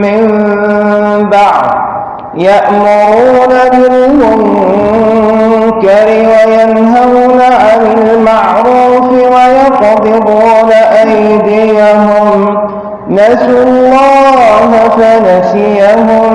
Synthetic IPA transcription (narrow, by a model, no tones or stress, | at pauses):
mɪm | baʕd̪ | jaʔmʊɾuːnabɪlmʊŋ | kaɾɪwajanɦanaʕanɪlmaʕɾuːfɪwajɑqd̪ˤɨɾuːnaʔaj | d̪ɪjaɦʊm | nasʊlˤːɑːɦfanasɪaɦʊm